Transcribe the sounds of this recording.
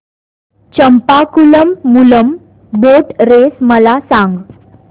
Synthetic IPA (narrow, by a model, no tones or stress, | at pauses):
t͡ɕəmpakuləmːuləm | boʈɾesməlasãŋɡ